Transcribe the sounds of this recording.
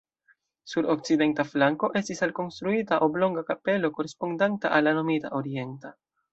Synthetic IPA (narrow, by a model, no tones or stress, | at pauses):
suɾo̞k̚t͡side̞ntaflaŋko̞ʔe̞stisalko̞nst̪ɾuitaʔo̞blo̞ŋɡakape̞lo̞ko̞ɾe̞spo̞ndanta̰ʔalːano̞mita̰ʔo̞ɾie̞nta